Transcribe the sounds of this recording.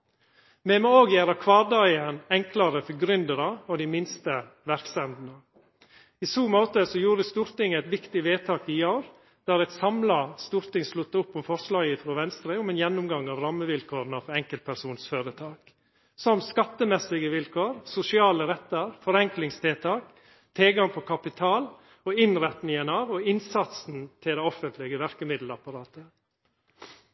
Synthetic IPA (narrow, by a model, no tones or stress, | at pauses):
mɛmɛoːɡjæːɾɑkʰʋɑːd̪ɑɪənɛŋklɑɾəfɔɡɾʏnd̪əɾɑɔd̪imɪnst̪ə | ʋæɾkst̪ɛnd̪n̩ə | isuːmoːt̪əsɔjuːɾəst̪uːɾt̪ɪŋæɪt̪ʋɪkt̪ɪʋeːt̪ʰɑːkɪoʊɾ | d̪̥æːɾɛt̪sɑmlɑst̪uːɾt̪ɪŋslʉt̪ːəʊpːɔmfɔɾslɑːɡɪfɾoːʋɛnst̪ɾeʊmɛnjɛnːʊmɡɑŋːɑːʋɾɑmːəʋɪlkʰoːɾənəfɔɛŋkəlt̪pʰæɾsuːnsføːɾət̪ʰɑːk | sɔmskɑt̪ːəmɛsːɪɡəʋɪlkʰoːɾsʊsɪɑːləɾɛt̪ːəɾfɔɾɛŋklɪŋst̪ʰɪlt̪ʰɑːk | t̪ʰeːɡɑŋpʰɔkʰɑpɪt̪ʰɑːl | oɪnɾɛt̪nɪŋənɑːʋɔɪnsɑt̪sn̩t̪ʰɪld̪æɛɔfənt̪lɪɡəʋæɾkəmɪd̪l̩ɑpɑɾɑːt̪ə